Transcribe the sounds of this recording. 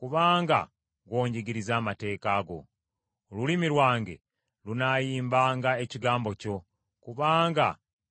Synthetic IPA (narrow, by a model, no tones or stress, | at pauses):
kuβaːŋɡa̰ | ɡwo̞ːɲɟiɡiɾizaːmate̞ːkaːɡo̞̰ | olulimiɾwaːŋɡe̞̰ | lunajiːmbaːŋɡae̞ciɡaːmbo̞co̞ | kuβaːŋɡa̰